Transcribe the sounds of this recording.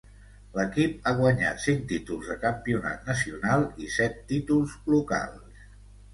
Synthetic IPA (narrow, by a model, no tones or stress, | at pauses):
ləkip̚aɣwəɲa̰t̪siŋk̚t̪it̪ulˠzðəkəmpiuna̰t̪nəsiunalˠisɛt̪ːit̪ulˠzluka̰lˠs